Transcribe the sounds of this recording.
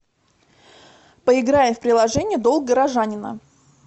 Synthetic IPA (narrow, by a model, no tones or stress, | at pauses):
pəɪɡɾajɪmfpɾʲɪlˠɐʐɛnʲɪjəd̪o̞lˠk̚ɡəɾɐʐanʲɪnə̰